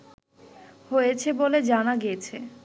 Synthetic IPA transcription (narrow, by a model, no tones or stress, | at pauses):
hojet͡ɕʰeboled͡ʑanaɡiet͡ɕʰe